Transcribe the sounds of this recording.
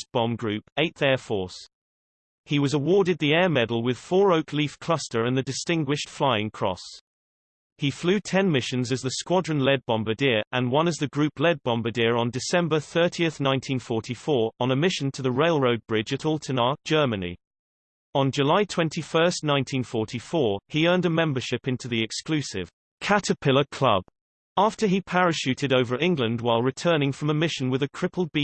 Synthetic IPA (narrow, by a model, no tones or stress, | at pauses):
b̥ɒ̃mɡɹʉpeɪt̪ðɛːfɔˑs | hiwɒzəwɔːɾɪd̪̚ðiɛːmɛdl̩ˠwɪð̥fɔːɹəʊkʰliˑfkʰl̥ʌstəɹə̃nðədɪstɪ̃ŋɡwɪʃtflaɪɪ̃ŋkʰɹ̥ɒ̰s | iflʉːtʰɛ̃nmɪʃə̃nzəzðəskwɒdɹə̃nlɛd̚bɑ̃mbədɪəɹʔə̃nwʌ̃nəzðəɡɹʉˑpʰlɛd̚bɑ̃mbədɪəɹə̃ndɪsɛ̃mbəθɜˑtʰiəθnãɪ̃ntʰĩnfɔˑɹtʰifɔːɹə̃nəmɪʃə̃ntʰəðəɹeɪlˠɹoʊd̚bɹɪd͡ʒɨɾɔlˠtʰənɑ̥ʒ̥ɜːmənḭ | ə̃nd͡ʒəlaɪtʰw̥ɛ̃ntʰifɜˑ˞stnãɪ̃ntʰĩnfɔɹtʰifɔːɹiɜ̃ːndəmɛ̃mbə˞ʃɪpɪ̃ntʰʉðiɪkskl̥ʉˑsɪ̰v̥ | kʰatəpʰɪlˠəkʰl̥ʌ̰b̥̚ | ɑˑftəipʰæɹɨʃʉˑtɪɾoʊvə˞ɪ̃ŋɡlə̃ndwaɪlˠɹɨtʰɜːnɪ̃ŋfɹə̃məmɪʃə̃nwɪðəkʰɹ̥ɪpəlˠd̚bi